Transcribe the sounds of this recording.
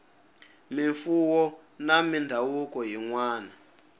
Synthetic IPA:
miɱfuwɔ | namindʱawukɔɦiŋwaːna

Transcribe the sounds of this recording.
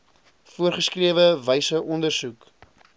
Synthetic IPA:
fuərχəskriəvəvəjsəʔɔndərsuk

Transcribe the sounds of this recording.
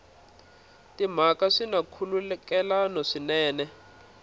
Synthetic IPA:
tim̤akaʂinakʰululɛkɛlanɔʂinɛːnɛ

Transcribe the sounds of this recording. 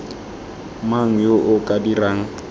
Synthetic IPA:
maŋ̩joʔʊkʼadiraːŋ̩

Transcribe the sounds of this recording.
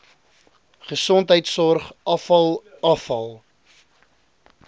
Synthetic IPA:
χəsɔntɦəjtsɔrχʔɐfɐlˠɐfɐlˠ

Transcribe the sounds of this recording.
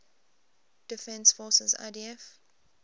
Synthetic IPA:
d̥ɪfɛ̃nsfɔsəza̰diɛf

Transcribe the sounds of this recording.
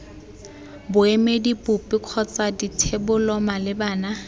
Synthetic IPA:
bʊemedipʊpɪq͡χʰɔt͡saditʰebʊlɔmalɪbaːna

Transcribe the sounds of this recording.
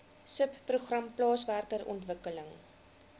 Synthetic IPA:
səpːruχrɐmplɑːsværkərɔ̰ntvəkələŋ

